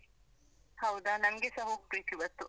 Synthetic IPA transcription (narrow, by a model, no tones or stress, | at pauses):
hɐwd̪anɐmɡesɐɦoːɡ̚pɾiːt̪ibɐt̪ːu